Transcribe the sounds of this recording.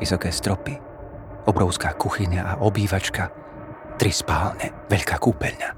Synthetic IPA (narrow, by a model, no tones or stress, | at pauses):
isɔkɛːst̪ɾɔpi | ɔbɾɔʊskaːkuxiɲaʔaʔɔbiːʋat͡ʃka | t̪ɾispaːlɲɛ | ʋɛʎkaːkuːpɛʎɲa